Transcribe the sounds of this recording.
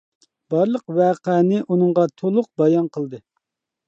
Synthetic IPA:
b̥ɑɾlˠəqwæːqɛnɪʔunɨŋʁɑt̪ʰolˠʊq̚bɑjɑnqʰəlˠd̪ɨ

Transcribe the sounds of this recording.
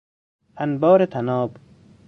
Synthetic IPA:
anbɔːɾet̪ʰanɔːb

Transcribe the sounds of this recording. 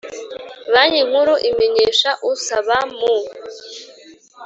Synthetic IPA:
βaɲiŋ̥huɾuʔimeɲeːʃaʔusaβamu

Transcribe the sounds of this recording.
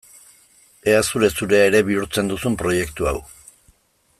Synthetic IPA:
e̞asuɾe̞suɾe̞aeɾe̞βiuɾt͡se̞nd̪usumpɾo̞je̞kt̪uaw

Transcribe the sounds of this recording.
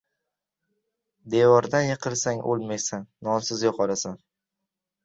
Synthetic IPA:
d̪evɒɾd̪anjɪqʰɨlˠsaŋʔo̰lˠmajsanːɒmsɪzjɒqʰɒɾasan

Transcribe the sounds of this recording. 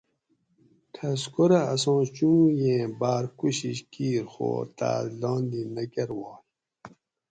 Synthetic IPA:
tʰɐskuɾaːs̬õːt͡ɕũːjẽːbaːɾkuɕiɕkiːɾxo̰ːt̪a̰lɑ̃ːnd̪inɐkeɾwɑː

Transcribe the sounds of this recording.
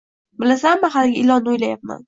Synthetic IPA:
bɪlasamːaɦalɪɡʲaɪlɒnːɪojlajap̚ma̰n

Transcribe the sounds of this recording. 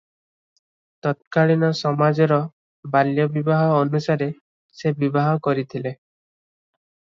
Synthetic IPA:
t̪ɔt̪̚kaɭinɔsɔmad͡ʒɔɾɔ | baljɔbibaɦɔːnusaɾe | sebibaɦɔkɔɾit̪ʰile

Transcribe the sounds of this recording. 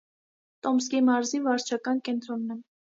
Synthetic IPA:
t̪ɔms̬kimɑɾzivɑɾt͡ʃʰɑkɑnkɛnt̪ɾɔnːɛ

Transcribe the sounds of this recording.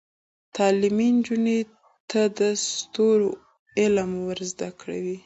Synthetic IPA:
t̪ɑlɪmind͡ʒuni | t̪ʰad̪əst̪oɾo | ɪlamwəɾzd̪akɽa̰wi

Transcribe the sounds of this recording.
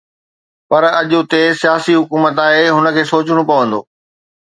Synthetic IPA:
pɐɾɐʄʊt̪esijaːsiɦʊkuːmət̪aːɦeɦʊnə̆kʰeːsoːt͡ɕɽ̃õpɐʋə̃nd̪o̰ː

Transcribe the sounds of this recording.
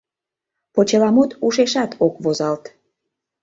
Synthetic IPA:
pot͡ɕelɑmut̪uʃeʃɑt̪ʰokβozɑlt̪

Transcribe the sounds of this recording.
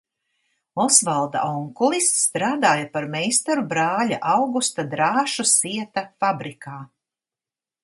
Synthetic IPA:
ɔsvalˠd̪a̰ʔɔŋkulˠist̪st̪ɾaːd̪aːjapaɾmɛjst̪aɾubɾaːlʲaʔawɡust̪ad̪ɾaːʃusiɛt̪afabɾikʰaː

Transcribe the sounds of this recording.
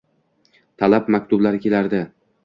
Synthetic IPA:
t̪ʰalapmakʲt̪ʊblaɾɪkʲe̞laɾd̪ɪ

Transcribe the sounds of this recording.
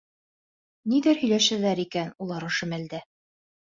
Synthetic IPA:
niðæɾhɵ̆jlæʃɘ̆ɾlæɾikænulˠɑɾŏʃɘ̆mæld̪æ

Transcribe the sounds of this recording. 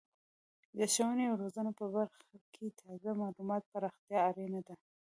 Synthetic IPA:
d̪əʃawaneawɾozanopəbaɾxakʰet̪ʰɑzamɑlumɑt̪̚paɾɑxt̪ijɑːɾenad̪a

